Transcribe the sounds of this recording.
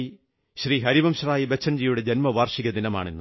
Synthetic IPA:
ɕriːɦɐɾiʋɐmɕraːjibet͡ɕʰːɐnd͡ʑijuɽe̞d͡ʑɐnmɐʋaːrʂiɣɐd̪inɐma̰ːɳinːu

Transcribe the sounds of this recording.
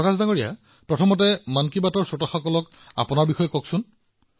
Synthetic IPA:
kazdaŋoɹija̰ | pɹɔtʰɔmɔt̬ɛmankibatɔɹsɔtaxɔkɔlɔk | a̰pʊnaɹbixɔjɔkɔksʊn

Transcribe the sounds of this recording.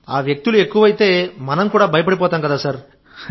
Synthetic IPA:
aːʋjek̚t̪ulue̞kːuʋɐjit̪e̞ːmɐnɐmkuːɽaːbʱɐjɐp̬ɐɽip̬ɔːt̪aːmkɐd̪aːsɐɾ

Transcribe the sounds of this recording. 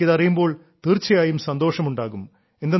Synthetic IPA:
ɐðɐrijumbo̞ːɭ | t̪iːrt͡ɕːɐjaːjumsɐnd̪o̞ːʂɐmuɳɖaːɣum | end̪e

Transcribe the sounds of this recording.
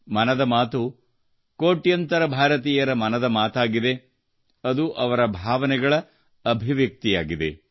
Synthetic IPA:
mɐnɐd̪ɐmaːt̪u | koːʈjɐnt̪ɐɾɐbʱaːɾɐt̪iːjɐɾɐmɐnɐd̪ɐmaːt̪aːɡid̪e̞ | ɐd̪uʔɐʋɐɾɐbʱaːʋɐnɛɡɐɭɐ | ɐbʱiʋjɐk̚t̪ijaːɡid̪ḛ

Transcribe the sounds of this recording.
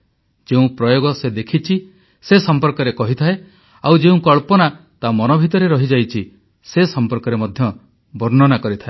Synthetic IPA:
d͡ʒeũpɾɔjoɡɔsed̪ekʰit͡ʃʰi | sesɔmpɔɾkɔɾekɔɦit̪ʰae | awd͡ʒeũkɔɭpɔnat̪amɔnɔbʱit̪ɔɾeɾɔɦid͡ʒajt͡ʃʰi | sesɔmpɔɾkɔɾemɔd̪ʱjɔ | bɔɾnɔnakɔɾit̪ʰae

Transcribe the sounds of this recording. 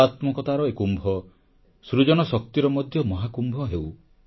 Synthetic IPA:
at̪mɔkɔt̪aɾɔekumbʱɔ | sɾud͡ʒɔñɔsɔk̚t̪iɾɔmɔd̪ʱjɔmɔɦakumbʱɔɦew

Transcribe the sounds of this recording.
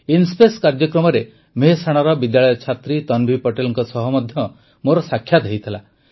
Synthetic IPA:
inspeskaɾd͡ʒjɔkɾɔmɔɾe | meɦsaɽ̃aɾɔbid̪jaɭɔjɔt͡ʃʰat̪ɾit̪ɔnbʱipɔʈelɔŋkɔsɔɦɔmɔd̪ʱjɔ | moɾɔsakʰjad̪ʱejt̪ʰila

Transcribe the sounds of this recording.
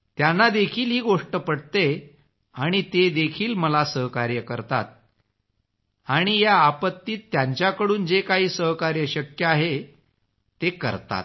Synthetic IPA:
t̪janːad̪ekʰiːlɦiːɡoʂʈəpəɽt̪e | aɽ̃it̪ed̪ekʰiːlməlasəɦkaɾjəkəɾt̪a̰t̪̚ | aɽ̃ijaːpət̪ːiːt̪ːjaɲt͡ɕjakəɽuːnd͡zekaɦiːsəɦkaɾjəɕəkjəaɦe | t̪ekə̰ɾt̪a̰t̪̚

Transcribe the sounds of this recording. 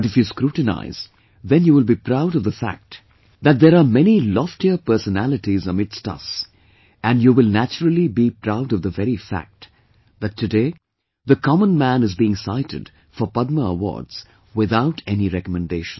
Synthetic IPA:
dɪfjuskɾuʈna̰ɪz | ðɛ̃njuːwɪlˠbipɾaʊɾʌvðəfæ̰k̚t | ðæt̚ðəɾaːmɛnilɔftiəpɜ˞sənælɨtizəmɪdstʌ̰s | æ̃njuːwɪlˠnæt͡ʃəɹəl̩ˠibipɾaʊɾʌvðəvɛɾifæ̰k̚t | ðɨtʰːɨdeɪ | ðəkʰɑmə̃nmæ̃nɨzbiɪ̃ŋsa̰ɪtʰɨ̰d̥ | fɔpʌd̚məə̰wɔ̰ɹdz̥ | wɪðaʊtʰɛniɾɛkəmɨ̃ndeɪʃn

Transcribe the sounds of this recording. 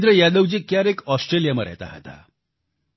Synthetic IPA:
t̪ɾəjad̪əwd͡ʑiːkjaɾekɔsʈɾelijaməɾa̰t̪a̰ɦə̰t̪a̰

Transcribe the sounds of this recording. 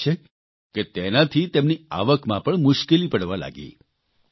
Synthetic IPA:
e | ket̪enãt̪ʰit̪emnia̰ʋəkmãpəɳmʊʃkelipəɽʋala̰ɡḭ

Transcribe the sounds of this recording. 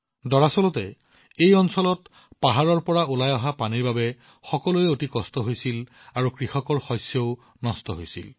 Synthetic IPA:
dɔɹasɔlɔtɛ | ejɔnsɔlɔt | paɦaɹɔɹpɔɹaulajɔɦapaniɹbabɛ | xɔkɔlujɛotikɔstɔɦojsil | aɹukɹixɔkɔɹxɔjsjeʊ | nɔstɔɦojsḭl

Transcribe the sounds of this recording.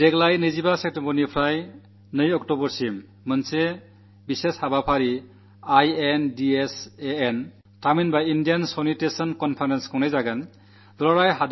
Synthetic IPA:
deɡlajnɯjzibasek̚tempɔnipʰɾaj | nɯjɔktobɔɾsimː | ɯnse | biseshabapʰaɾi | ajendieseːn | taminbaindijansɔnitesɔnkɔnpʰaɾenskʰɔwnajzaɡan | d̪ɔɾɔɾajɦad

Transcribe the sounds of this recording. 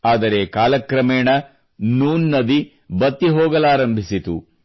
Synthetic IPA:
aːd̪ɐɾekaːlɐkɾɐmeːɳɐ | nuːnːɐd̪i | bɐt̪ːiɦoːɡɐlaːɾɐmbʱisit̪ṵ

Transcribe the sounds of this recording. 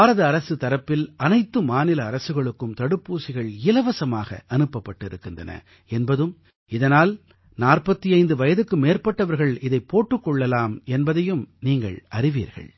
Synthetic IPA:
aːɾɐðɐːɾɐsɯt̪ɐɾɐpːɪlɐnɐɪt̪ːɯmaːnɪlɐːɾɐsɯɣɐɭɯkːɯmt̪ɐɽɯpːuːsɪɣɐɭɪlɐʋɐsɐmaːɣɐ̰ʔɐnɯpːɐpːɐʈːɪɾɯkːɯndrɐnɐ̰ | ɛnbɐðɯm | ɪðɐnaːl | naːrpɐt̪ːiɐɪnd̪ɯʋɐjɐðɯkːɯmeːrpɐʈːɐʋɐɾɣɐɭɪðɐɪpːoːʈːɯkːɔɭːɐlaːmɛnbɐðɐjɯmniːŋɡɐ̰ɭɐɾɪʋḭːɾɣɐ̰ɭ

